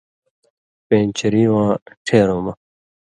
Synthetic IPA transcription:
pẽːnt͡ɕʰiɾĩːwãːʈʰeːɾõːmɐ

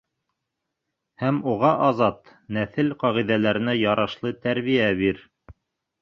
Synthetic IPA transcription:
hæmuʁɑʔɑzɑt̪næθɘlqɑʁiðælæɾɘ̆næjɑɾɑʃlˠɤt̪æɾβijæβiɾ

